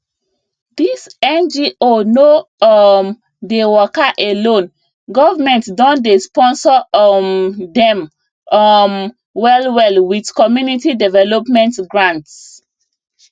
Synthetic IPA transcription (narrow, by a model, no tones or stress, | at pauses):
disɛ̃nd͡ʒiʔonoɔm | dewɔkaʔelõn | ɡɔvamɛ̃ntdɔ̃ndespɔ̃nsɔndɛ̃m | ɔm | wɛlwɛlwidkɔmjunitidɛvɛlɔpmɛ̃ntɡɹãnts